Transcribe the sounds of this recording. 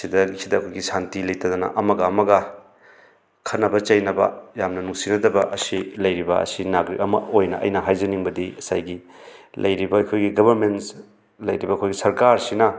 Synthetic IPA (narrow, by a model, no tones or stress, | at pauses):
sidɐsʰidɐːkʰojɡisantilɐjtɐd̪ɐnɐ̰ʔɐmɐɡɐːmɐɡɐ | kʰɐnːɐbɐt͡ʃɐjnɐbɐ̰jamnɐnuŋsinɐdɐbɐʔɐsilɐjɾibɐ̰ɐ̰sinaɡɾiʔɐmɐ̰ojnɐ̰ʔɐ̰jnɐɦajzɐniŋbɐdiɐsajɡi | lʔɐ̰jɾibɐːkʰojɡiɡɐbʱɐɾmens | lɐjɾibɐkʰojɡisɐɾkaɾsinɐ